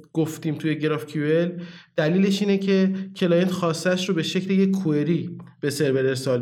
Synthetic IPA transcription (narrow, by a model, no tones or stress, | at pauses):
ɡ̥oft̪iːmt̪ʰuje̞ɟeɾɒfcʰueld̪̥æliːle̞ʃiːne̞cʰe̞cʰe̞lɒjent̪xɒːst̪ææʃɾobe̞ʃecʰlejeue̞ɾiːb̥e̞se̞ɾveɾeɾsɒːl